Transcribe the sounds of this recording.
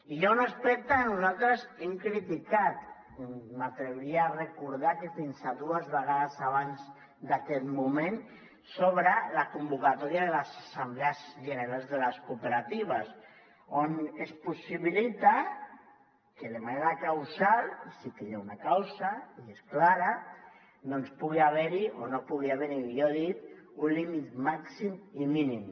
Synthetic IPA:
iʎonespek̚t̪anuzalt̪ɾezemkɾit̪ikat̪ | mat̪ɾeβɾiarekuɾðakefinsaðuazβeɣ̞aðasaβ̞anz | d̪akɛt̪mumẽn | soβɾalakumbukat̪ɔɾiaðelasasambleazʒeneɾalzðelaskupeɾat̪iβ̞as | onespusiβilit̪a | kelemaneɾkawsalsikeʎaunakawsaiesklaɾa | d̪onspuɣiaβɛɾionopuɣiaβɛɾijoðit̪ | unlimit̪maksimiminim

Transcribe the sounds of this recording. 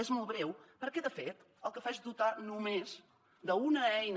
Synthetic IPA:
ezmolˠβɾɛwpəɾkɛðəfet̪ | əlˠkəfaezd̪ut̪anumez | d̪əunəɛjn

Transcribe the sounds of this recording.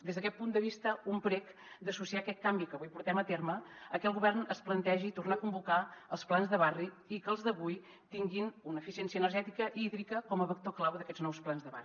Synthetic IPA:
d̪ezðəkɛt̪̚pund̪əβist̪əumpɾɛk | d̪əsusiakɛt̪̚kambikəβujpuɾt̪ɛmət̪erməəkɛlˠɣuβɛrnəsplənt̪ɛʒit̪urnakumbukaəlˠsplˠanzðəβari | ikəːlˠzðəβuj | t̪iŋɡinunəːfisiensiənərʒɛt̪ikəʔiðɾikəkɔməβək̚t̪oklawðəkɛdznɔwsplanzðəβa̰ri

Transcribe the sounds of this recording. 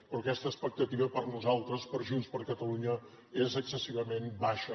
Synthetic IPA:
pɾɔkɛst̪əːspək̚t̪ət̪iβəpəɾnuzalˠt̪ɾəspəɾʒunspəɾkət̪əluɲə | ezəksəsiβəmembaʃə

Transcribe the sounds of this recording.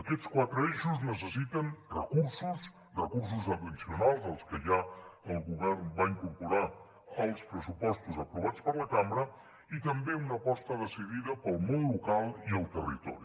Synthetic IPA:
əkɛt̪t͡skwat̪ɾəeʃuznəs̬əsit̪ənrə̰kuɾsus | rəkuɾs̬uzəbənsiunalˠzəlˠskəʒaəlˠɣuβɛɾnbaiŋkuɾpuɾa | əlˠspɾəsupɔst̪uzəpɾuβatt͡spəɾləkambɾə | it̪əmbeunəpɔst̪əðəsiðiðəpəlˠmõnlukalˠiəlˠt̪ərḭt̪ɔ̰ɾi

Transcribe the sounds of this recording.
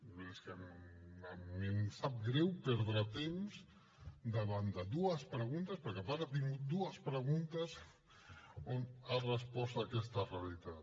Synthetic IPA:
beskemammimsap̚ɡɾɛwpɛɾðɾat̪emz | d̪əβand̪əd̪uəspɾəɣunt̪ɐspəɾkepaɾat̪iŋɡut̪̚d̪uəspɾəɣunt̪əz | onarəspɔst̪akɛst̪ərealit̪at̪

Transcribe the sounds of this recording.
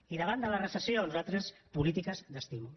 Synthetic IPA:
iðəβand̪əlarəsasenuzalt̪ɾespulit̪ikazd̪əst̪imu

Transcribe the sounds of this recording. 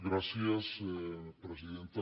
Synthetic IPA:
ɡɾasjasepɾes̬iðent̪a

